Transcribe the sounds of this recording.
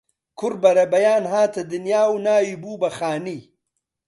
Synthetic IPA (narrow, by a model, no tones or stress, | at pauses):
kʰʊɾbɐɾɐbɐjaːnɦaːt̪ɐd̪ɪnjaːwnaːjibuːbɐxaːni